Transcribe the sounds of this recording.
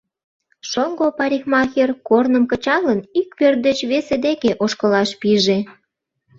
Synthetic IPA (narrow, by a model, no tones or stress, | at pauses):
ʃoŋɡopɑɾʲixmɑxerkornəmkə̆t͡ɕɑlənikpørt̪̚d̪ət͡ɕβesed̪ekeʔoʃkəlɑʃpiʒe